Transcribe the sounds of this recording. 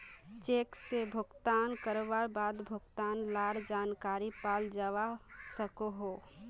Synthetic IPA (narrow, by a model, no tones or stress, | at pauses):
t͡ʃeksebʱʊɡt̪ankəɾbabad̪bʱʊɡt̪aːnlaɽd͡ʒaːnkaɾipald͡ʒaʋasəkoɦo